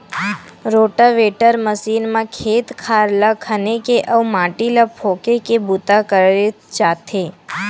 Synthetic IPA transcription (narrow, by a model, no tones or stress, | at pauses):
ɾoʈaʋeʈəɾməsinmãkʰeːt̪kʰaɾlakʰənekeʔəumãʈilapʰokekebut̪akəɾe | t͡ʃat̪ʰe